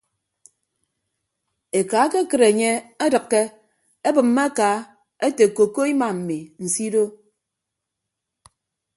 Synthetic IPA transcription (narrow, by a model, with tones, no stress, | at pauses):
e˨ka˨˦ke˦kɨ˨ɾe˨ɲe˦e˦dɨ˨kːe˦ | e˦bɨ˨m̩ːe˦kaː˨˦ | e˦te˨ko˨ko˦i˦ma˨m̩˨mi˨n̩˨si˦do˦